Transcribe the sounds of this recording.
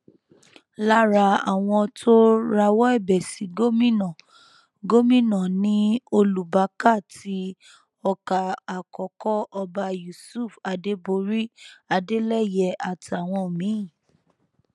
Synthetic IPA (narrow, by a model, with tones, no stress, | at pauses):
la˦ɾa˧a˨w̃ɔ̃˧tʰo˦ɾa˧wɔ˦ɛ˦˨bɛ˨si˨˦ɡo˦mĩ˦nɔ̃˨ | ɡo˦mĩ˦nɔ̃˨nĩ˨˦o˧lu˨ba˨˦ka˦˨ti˨˧˦ | ɔ˧ka˨a˨kɔ˨kɔ˦ʔɔ˧ba˧ju˨su˦˨fa˨de˧˦bo˧˦ɾi˦a˧de˦lɛ˦˨jɛ˧˨a˨ti˨a˨w̃ɔ̃˧˨mĩ˨˦˨